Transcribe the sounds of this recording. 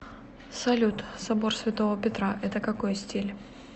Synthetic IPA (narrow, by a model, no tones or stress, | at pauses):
sɐlʲut̪sɐbo̞rsʲvʲɪt̪o̞vəpʲɪt̪ɾaʔɛt̪əkɐko̞jsʲtʲilʲ